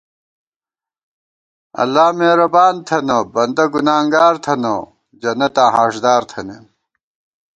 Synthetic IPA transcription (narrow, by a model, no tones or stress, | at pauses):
ɐ̰lːaːmeːɾɐbaːnt̪ʰɐnobɐnd̪ɐɡunaːŋɡaːɾt̪ʰɐno | d͡ʑɐnɐt̪aːɦaːʂd̪aːɾt̪ʰɐnen